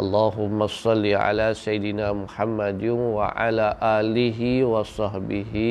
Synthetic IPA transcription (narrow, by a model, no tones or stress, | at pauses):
ʔɐlːaːɦʊmːasˤɑlːiʕa̰laːsɐjɪd̪ɪnaːmʊħamːad̪wa̰ʕa̰laːʔaːlɪɦiwɐsˤɑhbɪɦi